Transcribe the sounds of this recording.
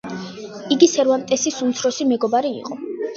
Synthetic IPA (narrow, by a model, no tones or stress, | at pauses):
iɡisɛɾvant̪ʼɛsisumt̪sʰɾɔsimɛɡɔbaɾḭːqʼɔ